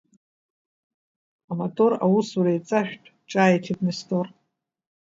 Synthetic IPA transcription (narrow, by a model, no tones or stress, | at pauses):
amotʼora̰wusuɾejt͡sʼaʃᶣtʼʰ | ʈ͡ʂʼaːitʰitʼnɨstʰʼor